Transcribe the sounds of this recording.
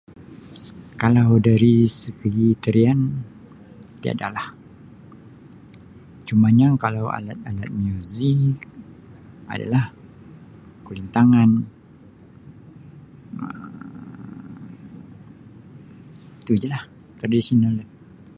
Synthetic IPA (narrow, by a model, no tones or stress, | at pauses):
kalawdaɾisəpəɡit̪əɾian | t̪ia̰da̰lah | t͡ʃumaɲakalawa̰lat̪̚alat̪̚miuzik | a̰da̰lah | kulint̪aŋan | ə̰ | t̪ud͡ʒəlah | t̪ɾadisional